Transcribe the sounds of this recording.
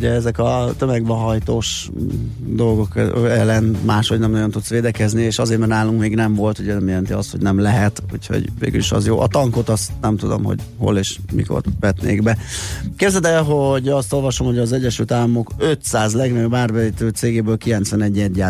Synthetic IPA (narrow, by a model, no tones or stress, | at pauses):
uɟɛɛzɛkɒt̪ømɛɡbɛɦɒjt̪oːʃ | d̪o̞lɡo̞kɛlːɛnmaːʃho̞ɟnɛmojɒnt̪ut̪sʋeːd̪ɛkɛznieːʃɒzeːt̪mɛrnaːluŋkmeːɡnɛmvo̞lt̪uɟɛnɛmjɛlɛnt̪iɒst̪ho̞ɟnɛmlɛɦɛt̪ṵcho̰ɟvḛːɡy̰liʃɒ̰zjoːʔɒ̰t̪ɒŋko̞t̪ɒst̪nɛmt̪ud̪o̰mɦo̰ɟho̞̰leːʃmḭko̰rʋɛt̪nḛːɡbɛkebzɛd̪ɛɦo̞ɟɒst̪o̞lvɒʃo̞mho̞ɟɒzɛɟːɛʃylt̪aːlːɒmo̞køt̪saːzlɛɡnɒjobaːrbɛit̪øːt̪seːɡeːbøːlkilɛnt̪sʋɛnɛɟːɛɟːaː